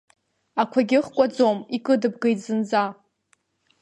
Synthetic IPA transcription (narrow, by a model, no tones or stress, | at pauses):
akʷʰaɡʲɪχkʷʼad͡zomikʼɨdɨb̚ɡejtʰʼzɨnd͡za